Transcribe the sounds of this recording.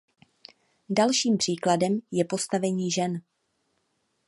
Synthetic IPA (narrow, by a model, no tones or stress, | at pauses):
dalʃiːmpr̥iːkladɛmjɛpo̞st̪avɛɲiːʒɛn